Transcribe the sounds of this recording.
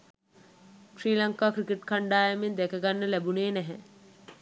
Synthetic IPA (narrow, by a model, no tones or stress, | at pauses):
ʃɾiːlaŋkaːkɾikeʈkʰaɳɖaːjɐmind̪ɛkɐɡanːəlæbuneːnæɦɛ